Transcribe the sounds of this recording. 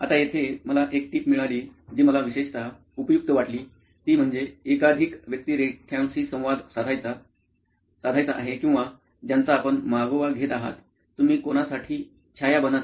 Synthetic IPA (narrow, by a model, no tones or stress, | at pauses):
at̪ajet̪ʰeməlaʔekʈiːpmiɭaliːd͡ʑiːməlaʋiɕeɕt̪a | upjuk̚t̪əʋaʈliː | t̪iːm̤əɳd͡zeekad̪ʱikʋjək̚t̪iːɾekʰjãw̃siːsə̃w̃ʋad̪saajt͡sa | sad̪ʱajt͡saʔa̰ɦekĩʋa | d͡ʑjant͡saːpəɳmaɡəʋaɡʱet̪aɦa̰t̪ː | um̤iːkonasaʈʰiː | t͡ɕʰajabəna